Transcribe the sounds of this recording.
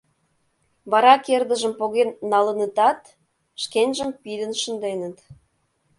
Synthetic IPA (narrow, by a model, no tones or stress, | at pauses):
βɑɾɑkerd̪ə̆ʒə̆mpoɣenːɑlə̆nət̪ɑt̪ | ʃkenʲʒəmpid̪ə̆nʃə̆nd̪enə̆t̪